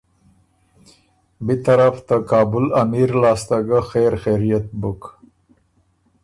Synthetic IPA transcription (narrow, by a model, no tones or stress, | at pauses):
bit̪aɾaft̪akɑːbʊlamiɾlɑːst̪aɡaxeɾxeɾijat̪̚bʊk